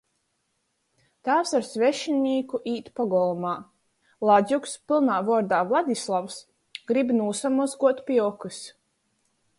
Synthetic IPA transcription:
t̪aːwsaɾsvʲɛʃinʲiːkuʔiːt̪pɔɡɔlˠmaː | lˠazʲukspʲilˠnaːvɔɾd̪aːvlˠad̪ʲislˠaws | ɡ̥ɾibnuːsamusɡuɔt̪pʲiɔkɨs

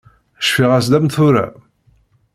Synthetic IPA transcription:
ʃfiʁæs̬d̪æmθʊɾæ̰

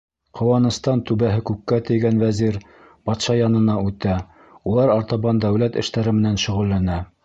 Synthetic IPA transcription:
qʰŏwɑnɤ̆st̪ɑnt̪ʉβæɦɘkʉkːæt̪ɘ̆jɡænwæziɾ | b̥ɑt̪ʃɑjɑnɤ̆nɑʉt̪æ | ulˠɑɾɑɾt̪ɑβɑnd̪æwlæt̪ɘ̰̆ʃt̪æɾɘmɘ̆nænʃɵ̆ʁɵ̆lːænæ

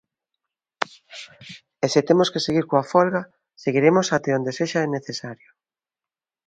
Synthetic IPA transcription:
esɪt̪emoskeseɣiɾkoafɔlɣa | seɣiɾemosat̪eond̪eseʃaɛneθesaɾjʊ

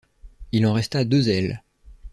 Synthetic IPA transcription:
ilɑ̃ʁɛst̪ad̪øzɛl

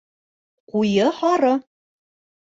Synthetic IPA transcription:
qujɤhɑɾɤ

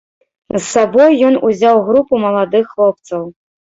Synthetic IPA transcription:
zːabɔjːɔnuzʲawɣɾupumɐlˠad̪ɨxːlˠɔp̚t̪sɐw

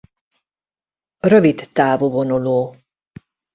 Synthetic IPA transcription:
røvit̪ːaːvovonuloː

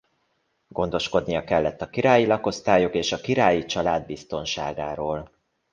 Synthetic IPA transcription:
ɡ̥o̞nd̪o̞ʃko̞d̪nijɒkɛlːɛt̪ːɒkiɾaːjilɒko̞st̪aːjokeːʃɒkiɾaːjit͡ʃɒlaːd̪̚bist̪o̞nʃa̰ːɡaːɾoːl

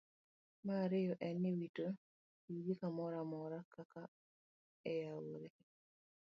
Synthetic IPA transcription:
maːɾɪjɔʔɛnːɪwito | iɡikamɔɾamɔɾakaka | ɛjawoɾe

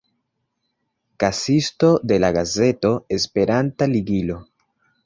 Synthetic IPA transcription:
kasisto̞de̞laɡaze̞to̞e̞spe̞ɾantaliɡilo̞

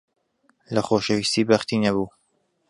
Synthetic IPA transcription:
lɐxoːʃəvist̪iːbɐxt̪inɐβuː

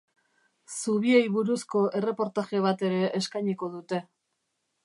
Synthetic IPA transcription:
suβ̞ie̞jβuɾusko̞ʔe̞re̞po̞ɾt̪aʝeβ̞at̪e̞ɾe̞ʔːskajɲiko̞ðut̪e̞

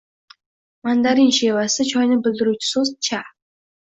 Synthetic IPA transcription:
mand̪aɾinʃeːwasə̆t͡ɕʰɔjnə̆bɵ̆ɮ̆ɾut͡ʃ̆sos̚t͡ɕʰa

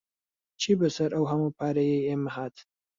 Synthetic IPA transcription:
t͡ʃʰiːbɐsɐɾʔɐwɦɐmupʰaːɾɐjɛjeːmɐhaːt̪

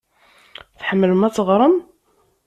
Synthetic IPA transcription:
θħəmːələmæt͡sːəʁˤɾˤəm

